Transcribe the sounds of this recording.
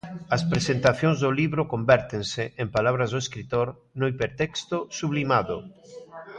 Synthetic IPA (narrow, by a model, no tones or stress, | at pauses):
ɐspɾesent̪aθjõŋzðoliβɾʊkombɛɾt̪eŋseempalaβɾɐzðʊeskɾit̪oɾ | nʊipeɾt̪ɛkst̪osuβlimaðʊ̰